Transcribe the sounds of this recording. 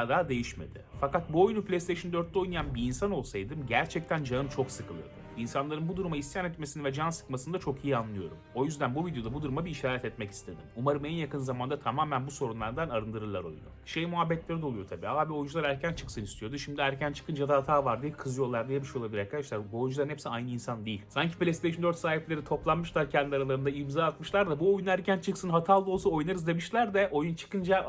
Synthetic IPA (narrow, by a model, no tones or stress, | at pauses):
d̪aːd̪e̞jiʃme̞̰d̪ɪ̰fakat̪̚buojnupʰlʲest̪ʰejʃɯnd̪øɾt̪̚ːɛo̞jnajanbiːnsano̞lˠsajd̪ɯmɟæɾt͡ʃʰɛc̚t̪ʰænd͡ʒaɯmt͡ʃʰo̞ksɯkʰɯlˠɯ̰d̪uinsanlˠaɾɯnbud̪uɾumaist̪ijanɛt̪me̞sinivɛd͡ʒansɯ̥kmasɯnd̪at͡ʃʰo̞kʰijianlˠɯjo̞̰ɾṵmo̞jyzd̪ænbuvid̪jo̞d̪abud̪uɾumabiːʃaːɾɛt̪ɛt̪mɛci̥st̪ʰed̪imumaɾɯmænjakʰɯnzamand̪at̪ʰamaːmænbuso̞ɾunlˠaɾd̪anaɾɯnd̪ɯɾɯlˠaɾo̞̰jn̰joʃejmuɦabːɛt̪lʲe̞ɾid̪o̞lˠujo̞t̪ʰabiːaːbio̞jund͡ʒulˠaɾæɾcʰænt͡ʃʰɯ̥ksɯnist̪ʰijo̞d̪uʃimd̪iæɾcʰænt͡ʃʰɯ̥kʰɯnd͡ʒad̪ahat̪ʰaːvaɾd̪ijkʰɯzɯjo̞lˠaɾd̪ijemiʃolˠabilʲiɾaɾkʰad̪aʃlˠaɾbuo̞jund͡ʒlˠaɾnɛpsiajnɯinsand̪ejilʲsaɲcʰi̥plʲest̪ʰejʃɯnd̪øɾt̪saːɦiplʲe̞ɾit̪ʰo̞plˠanmɯʃlˠaɾcʰɛnd̪iaɾalˠaɾɯnd̪aimzaːt̪mɯʃlˠaɾd̪abuo̞junæɾcʰænt͡ʃʰɯksɯnɦat̪ʰaːlˠd̪ɯosuo̞jnaɾɯzd̪e̞miʃlʲæɾd̪ɛʔo̞junt͡ʃʰɯ̥kʰɯnd͡ʒa